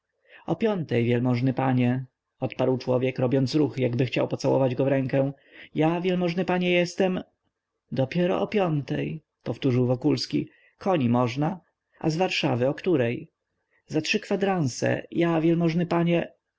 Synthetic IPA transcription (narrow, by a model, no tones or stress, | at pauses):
ɔpʲjɔnt̪ɛjvʲjɛlmɔʐnɘpaɲɛ | ɔt̪paɾwt͡ʂwɔvʲjɛkɾɔbʲjɔnt̪sɾuxjaɡbɘxt͡ɕa̰wpɔt̪sawɔ̰vad͡ʑɡɔvɾɛŋkɛ̃ | javʲjɛlmɔʐnɘpaɲɛjɛst̪ɛm | d̪ɔpʲjɛɾɔ̰ʔɔpʲjɔnt̪ɛ̰j | pɔft̪uʐɘwvɔkulskʲḭ | kʰɔɲimɔʐna | ʔa̰zvaɾʂa̰vɘɔkt̪uɾɛj | zatʂɘkfad̪ɾansɛ̰javʲjɛlmɔʐnɘpaɲɛ